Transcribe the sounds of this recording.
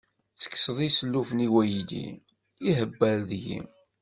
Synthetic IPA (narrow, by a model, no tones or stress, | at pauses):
t͡sːə̥kːsəðˤisəlːufniwæjid̪ḭ | iɦəbːæɾðjḭm